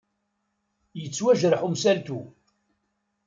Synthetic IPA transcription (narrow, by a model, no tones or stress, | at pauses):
jət͡sːwæʒɾəħumsælt̪u